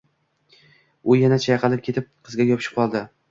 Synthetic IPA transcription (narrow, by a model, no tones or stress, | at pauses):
ʊjanat͡ʃʰajɑqʰɑlˠɪp̚kʲʰe̞t̪ʰɪp̚qʰɨzɡʲajɒpʰɪʃɪ̥p̚qʰɒlˠd̪ɪ